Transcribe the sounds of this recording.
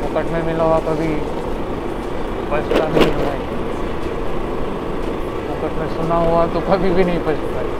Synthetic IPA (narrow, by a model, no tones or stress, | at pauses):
pʊkəʈmẽmɪlowakɐbʱi | pɐsnabeɪ̃lɾae | pʊkəʈmẽsʊnaɦuat̪okɐbʱibʱinɐɦĩpɐt͡ʃpai